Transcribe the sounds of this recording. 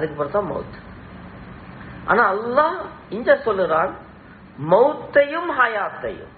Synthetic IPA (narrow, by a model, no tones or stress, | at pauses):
ɐðɯkːɯpːoːɾɐt̪ːãːmɐ̰ʊt̪ | ʔa̰ːnaːɐlːaːh | ɪɲd͡ʒɐɾsɔlɪɾaːn | mɐʊt̪ːɐjɯmhɐjaːt̪ːɐ̰jɯ̰m